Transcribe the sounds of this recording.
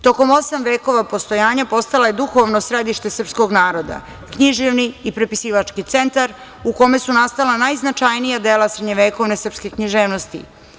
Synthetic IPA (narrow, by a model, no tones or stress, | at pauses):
t̪o̞ko̞mo̞samʋeːko̞ʋapo̞st̪o̞jaːɲapo̞st̪alaje̞d̪uxo̞ʋnosɾe̞d̪iʃt̪e̞sr̩psko̞ɡnaːɾo̞d̪a̰ | kɲiʒiʋniːpɾepisiːʋat͡ʂkit̪se̞nt̪aɾ | uko̞me̞sunast̪alanajznat͡ʃajnijad̪eːlasɾed̪ɲeʋeːko̞ʋne̞sr̩pske̞kɲiʒeːʋno̞st̪ḭ